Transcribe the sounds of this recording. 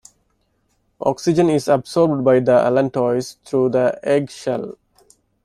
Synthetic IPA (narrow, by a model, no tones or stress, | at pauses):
ʔɔ̰ːksɪd͡ʒə̃nɪzəbsɔːɾbɖbaɪd̪əʔæ̰lə̃ɳʈɔɪst̪ʰɾuːd̪əeɡʃɛ̰l